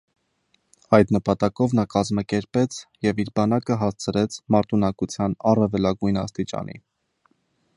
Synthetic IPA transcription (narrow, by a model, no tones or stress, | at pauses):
ɑjd̪nəpɑt̪ɑkɔvnɑkɑzmɑkɛɾpɛt͡sʰjɛviɾbɑnɑkəɦɑst͡sʰəɾɛt͡sʰmɑɾt̪ʰunɑkut͡sʰjɑnɑrɛvɛlɑɡujnɑ̰st̪it͡ʃɑ̰nḭ